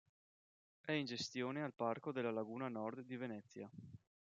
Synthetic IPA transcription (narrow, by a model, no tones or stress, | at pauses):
ɛind͡ʒest̪joːnealparkod̪elːalaɡuːnanɔrd̪ːivenɛt̪sːja̰